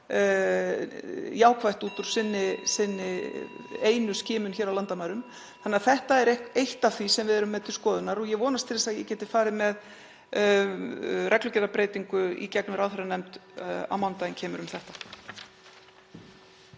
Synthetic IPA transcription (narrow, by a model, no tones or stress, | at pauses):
jaːwkʰvajht̪uːt̪ʏɾ̥sɪnːɪsɪnːɪ | eːjnʏscɪːmʏnçɛːɾawlant̪amaːɾʏm | θanɪːaθɛht̪aɛɾekejht̪aθvisɛmvɪðɛɾʏmːɛðt̪ʰɪlskɔːðʏnaɾɔɣjɛvɔːnast̪ʰɪlθɛsaðjɛcɛːt̪ɪfaːɾɪmɛð | rɛklʏcɛɾapɾeːjt̪iŋkʏḭcɛknʏɾaːwɛɾanɛmt̪a̰wmant̪aɪncʰɛːmʏɾʏmθɛht̪ḁ